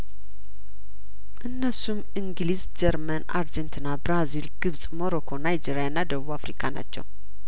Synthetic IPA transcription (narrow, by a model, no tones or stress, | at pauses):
ʔɨnːəsum | iŋɡlizd͡ʒɛɾməna̰ɾd͡ʒɛnt̪ʰɨnːabɾazilɡ̥ɨβsʼmo̞ɾo̞kʰo̞najd͡ʒeɾijanːad̪əβuβafɾikʰana̰t͡ʃːɛ̰w